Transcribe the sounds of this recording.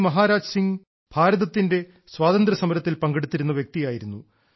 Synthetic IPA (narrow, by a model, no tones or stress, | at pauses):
mɐɦaːɾaːd͡ʑsiŋɡ | bʱaːɾɐðɐt̪ːinde̞ | swaːðɐnd̪ɾɐsɐmɐɾɐt̪ːilpɐŋɡeɽut̪ːiɾunːɐʋjek̚t̪ijaːjiɾunːu